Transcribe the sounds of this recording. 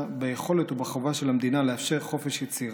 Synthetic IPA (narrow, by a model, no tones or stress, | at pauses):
bejeχo̞let̪ubaχovaʃelamd̪inaleafʃe̞ʁχo̞fe̞ʃjet͡siʁ